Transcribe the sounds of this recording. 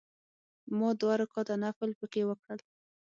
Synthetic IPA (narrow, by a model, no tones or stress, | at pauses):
mɑd̪waɾakɑt̪anaflpəkewəkɽəl